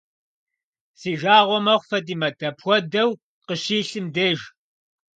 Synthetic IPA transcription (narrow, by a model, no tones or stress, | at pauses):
siːʒaːʁʷɔmɐχʷfɐdiːmɐdʰɐpʰxʷɔdɐw | qəɕiːɬɨmdeːʒ